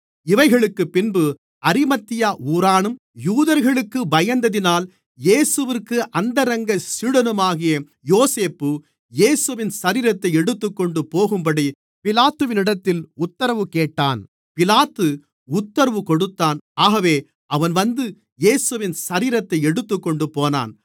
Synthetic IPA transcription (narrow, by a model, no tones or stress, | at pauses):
ɪʋɐɪɣɐɭɯkːɯpːɪnbɯ | ɐɾɪmɐt̪ːɪjaːuːɾaːɳɯm | juːðɐɾɣɐɭɯkːɯbɐjɐnd̪ɐðɪnaːl | jeːsɯʋɪrkːɯʔɐnd̪ɐɾɐŋɡɐsɪɽɐnɯmaːɣɪjɐ | joːseːpːɯ | jeːsɯʋɪnsɐɾiːɾɐt̪ːɐɪɛɽɯt̪ːɯkːɔɳɖɯpoːɣɯmbɐɽi | pɪlaːt̪ːɯʋɪnɪɽɐt̪ːɪlʊt̪ːɐɾɐʋɯkeːʈːa̰ːn | pɪlaːt̪ːɯ | ʊt̪ːɐɾɐʋɯkɔɽɯt̪ːaːnaːɣɐʋeː | ʔɐʋɐnʋɐnd̪ɯ | jeːsɯʋɪnsɐɾiːɾɐt̪ːɐɪɛɽɯt̪ːɯkːɔɳɖɯpoːna̰ːn